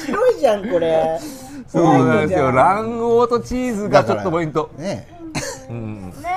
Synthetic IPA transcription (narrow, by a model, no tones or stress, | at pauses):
siɾoiʑãŋko̞ɾe | soːnãnd̪eɨjo̞ɾãɰ̃oːt̪o̞t͡ɕiːzɨɡat͡ɕo̞t̪ːopoĩnt̪o̞ne | ɯ̃ɴ